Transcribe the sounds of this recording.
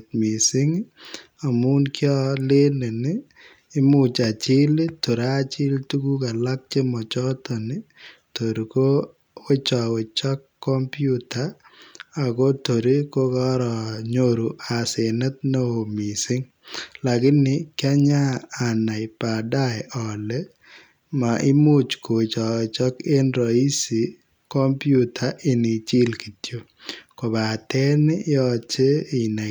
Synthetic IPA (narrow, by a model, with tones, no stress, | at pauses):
tmi˨sɪ˦ŋ | a˨mu˦nkjɔ˦le˦ne˨nɪː˦ | mʊ˨t͡ʃa˨t͡ʃɪ˦le˦tu˨ɾa˦t͡ʃɪ˦ltu˦ɡu˦ka˨la˦k̚t͡ʃe˦mɔ˨t͡ʃɔ˦tɔ˨nɪ˦ | to˨ɾi˨ko˦ | we˦t͡ʃɔ˨wɪ˨t͡ʃɔ˦kːɔ˦mpju˦taː˨ | ko˦to˨ɾi˦ko˦kɔ˦ɾɔ˨ɲoɾu˨ʔa˨se˨nɛ˦t̪̚no˦o˨mi˨sɪ˦ŋ | la˨ɡɪ˦nɪ˨kɪ˦a˦ɲaː˦˨na˨ɪpa˨da˦ɛɔ˨lɛ˦ | maʔɪ˦mʊ˦t͡ʃko˨t͡ʃɔ˨we˨t͡ʃɔ˦ke˦nɾɔ˨i˦si˨ | kɔ˦mpjutʰa˦ʔɪ˨nɪ˨t͡ʃi˦lki˨tjo˨ | kɔ˨ba˨tɛ˦nɪ˦ɔt͡ʃe˦ɪ˨na˨